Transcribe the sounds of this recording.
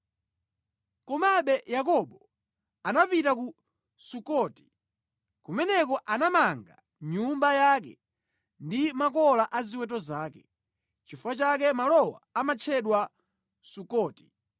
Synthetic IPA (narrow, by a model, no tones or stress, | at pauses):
kɔmaɓɛjakɔɓɔ | anapitaku | sukɔti̥ | kumɛnɛkɔʔanamaŋɡa̰ | ɲumbajakɛ̰ | ndimakɔlaʔaziwɛtɔzaːkɛ | t͡ʃifuwat͡ʃak̬ɛmalɔwa̰amat͡ʃʰɛɗwa | sukɔːti̥